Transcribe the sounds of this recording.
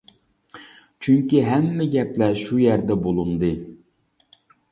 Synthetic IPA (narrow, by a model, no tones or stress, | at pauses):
t͡ʃʰyŋkʲiɦæmːɪɡʲɛplɛʃujæɾd̪ɛbolˠund̪ɨ